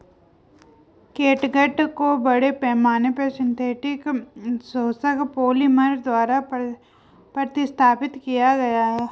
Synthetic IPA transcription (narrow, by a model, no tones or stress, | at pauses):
keːʈɡəʈkobɐɽepɛːmaːnepeɾsɪ̃nt̪ʰeːʈɪksoːsəkpoːliməɾd̪waːɾa | pɐɾət̪ɪst̪ʰaːpɪt̪kijaɡɐjaɦɛː